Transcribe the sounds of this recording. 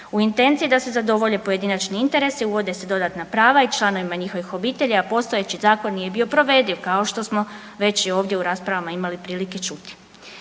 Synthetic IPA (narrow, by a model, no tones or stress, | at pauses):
uint̪e̞nt̪siːd̪ase̞zad̪o̞ʋo̞ʎe̞po̞je̞d̪inat͡ʃniint̪e̞ɾe̞siuʋo̞d̪e̞se̞d̪o̞d̪at̪napɾaːʋait͡ʃlˠano̞ʋimaɲixo̞ʋixo̞biːt̪e̞ʎaapo̞st̪oje̞t͡ɕizaːko̞nːije̞bio̞pɾo̞ʋe̞ːd̪iʋkao̞ʃt̪o̞smo̞ | ʋe̞t͡ɕjɛo̞ːʋd̪jeuɾaːspɾaʋamaimalipɾiːlike̞t͡ʃut̪i̥